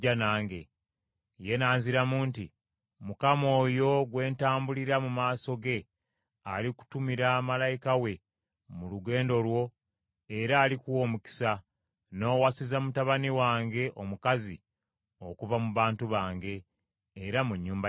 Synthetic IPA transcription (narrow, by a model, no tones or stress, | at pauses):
anaːŋɡe̞ | je̞naːnziɾamuːnti | mukamo̞ːjo̞ɡwe̞ːntaːmbuliɾamumaːso̞ɡe̞ | aliku̥tumiɾaːmalajikawe̞ | muluɡe̞ːndo̞lwo̞ | e̞ɾaːlikuwo̞ːmuki̥sa | no̞ːwasizamutaβaniwaːŋɡe̞ʔomukazi | o̞kuvamuβaːntuβaːŋɡe̞ː | ɾamuɲːuːmba